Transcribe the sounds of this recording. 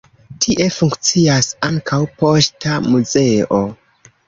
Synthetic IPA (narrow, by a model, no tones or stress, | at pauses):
tʰiʔe̞fuŋkt͡siasaŋkʰawpo̞stamuze̞o̞